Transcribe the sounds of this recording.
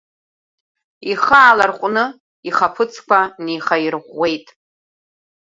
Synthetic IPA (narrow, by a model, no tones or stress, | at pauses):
iχaːlarqʷʼnɨ | iχapʰɨt͡sʰkʷʰaniχajrʁʷːe̞jtʼ